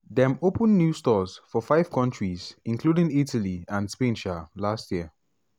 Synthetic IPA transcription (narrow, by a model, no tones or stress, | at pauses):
dɛ̃mopə̃nːjustɔzfɔfaɪv̥kʰɔ̃nt͡ʃɹizɪ̃nkʰludɪ̃ŋitʰəliãnspẽnʃalastjiə